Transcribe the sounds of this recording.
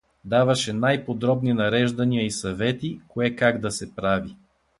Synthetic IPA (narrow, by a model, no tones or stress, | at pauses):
d̪avɐʃɛnajpod̪ɾɔbninɐɾɛʒd̪ɐniəisɐvɛt̪ikoɛkaɡd̪ɐsɛpɾavi